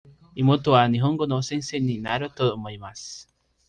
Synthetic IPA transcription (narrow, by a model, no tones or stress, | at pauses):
imot̪oaniɦoŋɡonosenseninaɾot̪oðomoimas